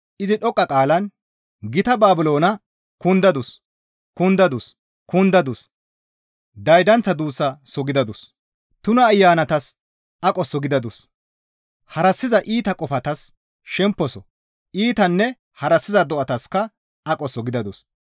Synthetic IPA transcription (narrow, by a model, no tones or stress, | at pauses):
ʔɪzɪɗɔkʼːɐkʼaːlɐn | ɡɪt̪ɐbaːbɪlo̞ːnɐ | kʊnd̪ɐd̪ʊs | kʊnd̪ɐd̪ʊs | kʊnd̪ɐd̪ʊs | d̪ɐjd̪ɐnt͡sːɐd̪uːsːɐsɔɡɪd̪ɐd̪ʊs | t̪ʊnɐːjːaːnɐt̪ɐs | ʔɐkʼɔsːɔɡɪd̪ɐd̪ʊs | hɐɾɐsːɪzɐʔiːt̪ɐkʼɔfɐt̪ɐs | ʃɛmpːɔsɔ | ʔiːt̪ɐnːɛ | hɐɾɐsːɪzɐd̪ɔʔɐt̪ɐskɐ | ɐkʼɔsɔɡɪd̪ɐd̪ʊs